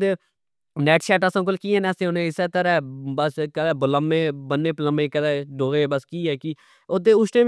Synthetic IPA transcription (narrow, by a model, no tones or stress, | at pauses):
d̪eː | nɛːʈʃɛːʈəsãːk̬ʊlkiːɛ̃ːnɛːsẽːõːnẽːɪseːt̪əɾɛːbəskəd̪ɛːbələmeːbənːeːpələmẽːkəd̪ɛːɖoːɣeːbəskiːɦɛːki | od̪eːʊʃʈẽː